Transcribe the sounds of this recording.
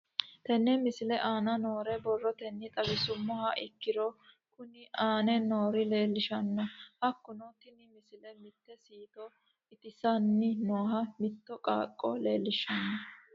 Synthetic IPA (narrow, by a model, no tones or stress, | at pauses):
t̪ɛnːɛmɪsɪlɛʔaːnɐnoːɾɛbɔrːɔt̪ɛnːɪt̪ʼɐbɪsʊmːɔhɐʔɪkːɪɾɔ | kʊnɪaːnɛno̞ːɾɪle̞ːlːɪʃɐnːɔhɐkːʊnɔt̪ɪnɪmɪsɪlɛmɪt̪ːɛsiːt̪ɔ | ɪt̪ɪsɐnːɪnoːɦɐmɪt̪ːɔkʼa̰ːkʼːɔle̞ːlːɪʃɐnːɔ